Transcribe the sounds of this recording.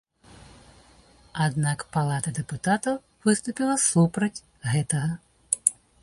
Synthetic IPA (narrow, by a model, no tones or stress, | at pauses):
ad̪nakpalˠat̪ɐd̪ɛput̪at̪ɐw | vɨst̪upʲilˠɐsupɾɐt͡sʲ | ɣɛt̪ɐɣɐ